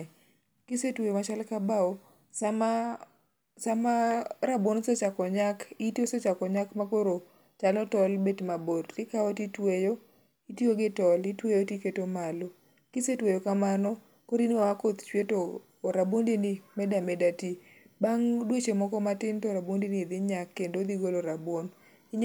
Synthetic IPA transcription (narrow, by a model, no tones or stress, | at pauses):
kisetwejomat͡ʃalkabaɔ | sama | samaɾabonset͡ʃakɔɲakitiosɔt͡ʃakɔɲakmakoɾo | t͡ʃalɔtɔlbetmabotɪkaɔtitwejo | itjioɡɪtɔlitwejotiketomalo | kisetwejokamanɔ | koɾiniakot̪t͡ʃwetoː | ɾabondinimɛdamɛdati | baŋdwet͡ʃemɔkɔmatɪntɔɾabwondinid̪ɪɲakːendod̪iɡoloɾabwon | iɲ